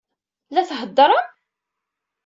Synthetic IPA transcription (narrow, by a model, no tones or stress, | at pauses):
læθɦəd̪ˤːɾˤɑ